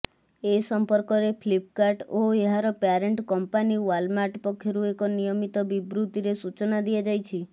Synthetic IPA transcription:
esɔmpɔɾkɔɾepʰlip̚kaɾʈoeɦaɾɔpaɾeɳʈkɔmpaniwalmaʈpɔkʰjɔɾuekɔnijɔmit̪ɔbibɾut̪iɾesut͡ʃɔnad̪iad͡ʒajt͡ʃʰi

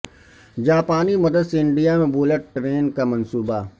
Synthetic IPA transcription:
d͡ʒaːpaːnimɐd̪əd̪seɪ̃ɳɖijamẽboːləʈ̚ʈɾeːnkamɐnsuːba

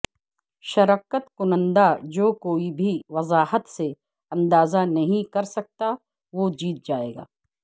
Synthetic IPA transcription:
ʃɐɾaːkət̪kʊnə̃nd̪ad͡ʒoːkoːibʱiʋɐzaːɦət̪se | ɐ̃nd̪aːzanɐɦĩkɐɾsɐk̚t̪a | ʋoːd͡ʒiːt̪̚d͡ʒaːḛːɡa̰ː

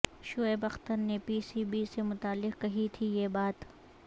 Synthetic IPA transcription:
ʃʊebɐxt̪ənːepiːsiːbiːsemʊt̪aːlːɪqkɐɦit̪ʰijeːbaːt̪

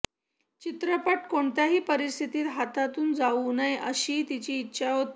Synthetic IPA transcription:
t͡ɕit̪ɾəpaʈkoɳt̪jaɦiːpəɾist̪ʰit̪iːt̪ɦat̪at̪uːnd͡zaʋunajʔə̰ɕiːt̪it͡ɕiːt̪ːɕʰaɦot̪

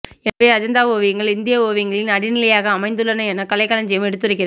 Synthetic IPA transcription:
ɛpeːɐd͡ʒɐnd̪aːoːʋiŋɡɐɭɪnd̪ɪjaoːʋɪŋɡɐɭɪnɐɽɪnɪlɐjaːɣɐːmɐɪnd̪ɯlɐnɐɛnːɐkɐlɐɪkːɐlɐɲd͡ʒɪjɐmɛɽɯt̪ːɪɾɪkːɪɾɐð

